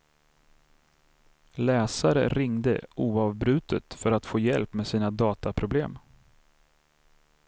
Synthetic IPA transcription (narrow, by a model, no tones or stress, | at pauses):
lɛːsaɾə̰ɾɪŋd̪ə̰uːɑvbɾʉ̟ːt̪ʰət̪fœɾat̪foːjɛlpmeːsiːnad̪ɑːt̪apʰɾʊblḛːm